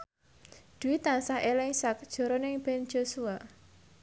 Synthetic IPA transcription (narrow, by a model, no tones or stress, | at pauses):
d̪̥uwit̪ansahelɛŋsak̚d̥ʒ̥ɔ̤ɾɔnɪŋb̥ɛn̥d͡ʒ̥osua